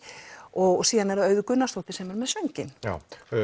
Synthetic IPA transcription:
ɔɣsiːðanɛɾaœɥðʏkʏnːast̪ɔht̪ɪ̥sɛmɛɾmɛðsœɲcɪna

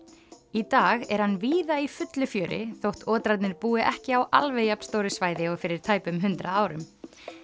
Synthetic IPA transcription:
it̪aːɣɛɾ̥hanːviːðaifʏt̪lʏfjœːɾʔɪ̰θowht̪ʰɔːt̪ɾat̪nɪɾpuːɪʔɛhcɪawʔa̰lvɛjapn̥st̪oːwɾɪsvaːjðɪɔɣfɪɾɪɾ̥t̪ʰaːjpʏmɦʏnt̪ɾʔaaːwɾʏm

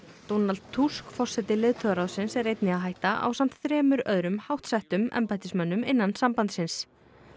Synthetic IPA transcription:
t̪ownalt̪̚t̪ʰːuskfɔr̥sɛt̪ɪlɪðt̪ʰœɣaɾawðsɪnsɛɾrejt̪nɪaðɦaːjht̪aʔa̰wsam̥t̪θɾɛːmʏɾœðɾʏmhawht̪sɛht̪ʏmɛ̰mpajt̪ɪsmœnːʏmɪnːansampant̪sɪns

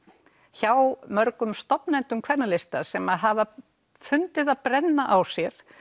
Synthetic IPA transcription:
çawmœɾkʏmst̪ɔpnɛnt̪ʏmkʰvɛɾnalɪst̪asɛmaðɦava | fʏnt̪ɪðaðpɾɛnːaʔawsjɛɾ̥

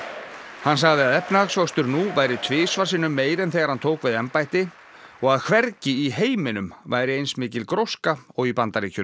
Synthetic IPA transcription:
hans̬aɣðɪaðɛpnaaɣsvawst̪ʏɾnuvajɾɪt̪ʰvɪːsvaɾ̥sɪnʏmːeːjɾɛnθɛːɣaɾ̥hant̪ʰoːwkvɪðɛmpajht̪ɪ | ɔɣaðkʰvɛɾcɪiɦeːjmɪnʏmvaːjɾɪejnsmɪːcɪlkɾowskaɔɣipant̪aɾiːcʰʏ

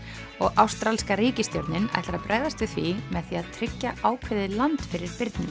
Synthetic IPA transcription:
ɔɣawst̪ɾalskaɾiːcɪst̪jo̰wɾt̪nɪna̰jht̪aɾaðpɾɛːɣðast̪ʏθvimɛðθiaðt̪ʰɾɪcːaaːwkʰvɪðɪlant̪fɪɾɪɾpɪɾt̪nɪ

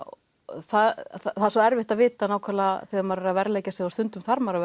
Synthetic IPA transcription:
θaðθθaðsɔɛɾvɪht̪aðvɪːt̪anaːwkʰalaθɛɣaɾmaɾɪɾavɛɾlɛːjcasjɛɣawst̪ʏnt̪ʏmθaɾmaɾa

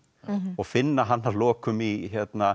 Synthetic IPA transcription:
ɔɣfɪnːaɦanːavlɔːkʏmiçɛt̪na

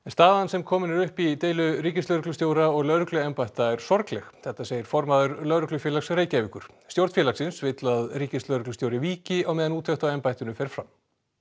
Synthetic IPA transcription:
ɛnst̪aːðansɛmkʰɔːmɪnɪɾʏhpit̪eːjlʏɾiːcɪst̪œɥɾʏklʏst̪jowɾaɔɣlœɾʏklʏɛmpajht̪aɛɾ̥sɔɾklɛxθɛht̪aseːjɪɾ̥fɔɾmaðʏɾlœɾʏklʏfjɛlaksreːjcɛvikʏɾ̥ | st̪jowɾt̪fjɛlaksɪnsvɪt̪laðriːcɪst̪lœɥɾklʏst̪jowɾɪviːcɪawmɛːðanuːt̪ʰœxt̪awɛmpajht̪ʏnʏfɛːɾfɾam

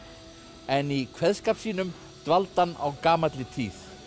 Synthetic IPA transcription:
ɛnikʰvɛðskaːpsiːnʏm | t̪valt̪ana̰wkaːmat̪lɪt̪ʰiːθ

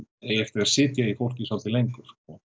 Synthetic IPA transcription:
ɛjɛft̪ɛɾ̥sɪːt̪jaifowl̥cɪsaw̪t̪ɪlejŋkʏɾ̥ɔɣ

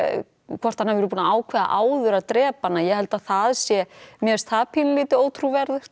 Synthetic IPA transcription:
kʰvɔr̥t̪anhavɛɾʏpuːnaaːwkʰvɛːða̰ʔaːwðʏɾaðt̪ɾɛːpanːajɛhɛlt̪aðθaðsjɛmjɛst̪ʰaːpʰinlɪːt̪ɪoːwt̪ʰɾuvɛɾðʏɾ̥t̪

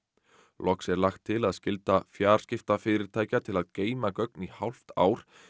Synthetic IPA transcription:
lʔɔksɛɾlaxt̪ʰːɪlaðscɪlt̪afjaːɾ̥scɪft̪afɪːɾɪɾ̥t̪ʰaːjcat̪ʰɪlaðkeːjmakœknihawl̥ft̪a̰ːwɾ̥

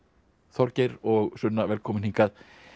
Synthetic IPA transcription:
θɔɾcejɾɔɣsʏnːavɛːlkʰɔːmɪniŋkað

